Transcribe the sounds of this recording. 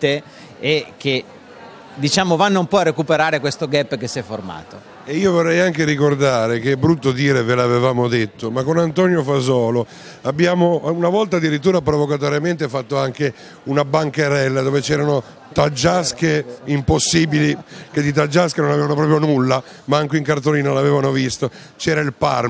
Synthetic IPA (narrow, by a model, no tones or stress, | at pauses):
t̪e | eke | d̪it͡ʃaːmovanːompɔarekupeɾaːɾekwest̪oɡɛpːkesːiɛforma̰ːt̪o | eiːovorːɛjaŋkeɾikord̪aːɾekeɛbɾut̪ːod̪iːɾevelavevaːmod̪et̪ːomakːonant̪ɔnjofazɔːlo | abːjaːmounavɔlt̪ad̪ːiɾit̪̬ːuːɾapɾovokat̪̬oɾjament̪efat̪ːoaŋke | unabaŋkeɾɛlːad̪oːvet͡ʃɛːɾano | t̪ad͡ʒːaskeimposːiːbiliked̪it̪̬ad͡ʒːaskenonavevanop̬ɾɔːp̬ɾjonulːa | maaŋkeiŋkart̪oliːnalavɛːvanovist̪ot͡ʃɛːɾailpar